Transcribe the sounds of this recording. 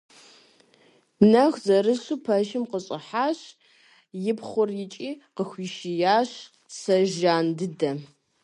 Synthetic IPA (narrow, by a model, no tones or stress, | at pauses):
nɐxzɐɾɨɕupʰɐʒɪmqəɕʼɪħaːɕ | jɪpχʷʊrjɪt͡ʃʼiːqəxʷiːʃijaːɕ | sɐʒaːndɨdɐ